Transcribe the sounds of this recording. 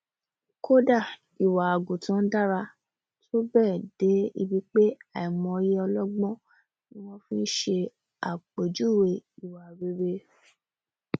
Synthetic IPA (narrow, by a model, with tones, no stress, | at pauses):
kʰo˦da˦˨ | i˨wa˨a˨ɡu˨tã˨˦da˦ɾa˧ | tʰo˦bɛː˦˨de˨˦ḭ˧bi˧k͡pe˦a˨i˨mɔ̃˧ji˦ɔ˧lɔ˦ɡ͡bɔ̃˦ | nĩ˦w̃ɔ̃˦fĩ˦ʃe˧ | a˨k͡pe˨d͡ʒu˦˨we˧˨i˨wa˨ɾe˦ɾe˧